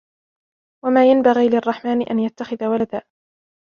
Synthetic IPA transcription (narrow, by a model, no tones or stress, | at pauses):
wamaːjanbaɣiːlɪɑrˤːɑħmaːnɪʔanjat̪ːaxɪðawalad̪aː